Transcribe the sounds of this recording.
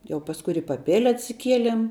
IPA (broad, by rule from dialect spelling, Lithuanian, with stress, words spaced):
jɛʊ pɐsˈkʊɪ ɪr ɪ pɐˈpʲeːlʲɛ ɐtʲsʲɪˈkʲiɛlʲɛm